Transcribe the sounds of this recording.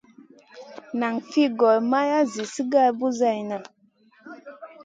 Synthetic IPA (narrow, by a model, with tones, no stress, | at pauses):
na˨ŋfi˦˨ɡɔ˨lma˦ja˦zi˨si˦ɡa˦˨lbu˦za˦˨jna˨